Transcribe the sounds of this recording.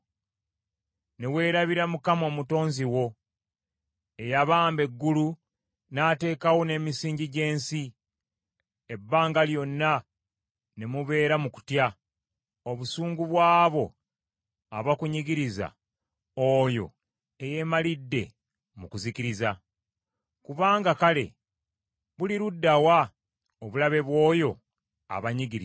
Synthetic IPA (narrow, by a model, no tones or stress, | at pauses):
newe̞ːɾaβiɾamukamo̞ːmuto̞ːnziwo̞ | e̞jaβaːmbe̞ɡːulu | nate̞ːkawone̞misiːɲɟiɟe̞ːnsi | ebːaːŋɡaljo̞nːa | nemuβe̞ːɾamuku̥tja | oβusuːŋɡuβwaːβo̞ | aβakuɲiɡiɾiza̰ | ojo̞̰ | eje̞ːmalidːe̞ | mukuzikiɾiza | kuβaːŋɡakale̞̰ | βuliɾudːawa | oβulaβe̞βwo̞ːjo̞ | a̰βaɲiɡiɾi